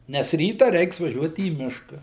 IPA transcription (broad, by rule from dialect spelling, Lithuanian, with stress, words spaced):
nʲɛs ˈrʲiːtɐ ˈrʲɛɪks ʋɐˈʒʲuɔt iː ˈmʲɪʃkɐ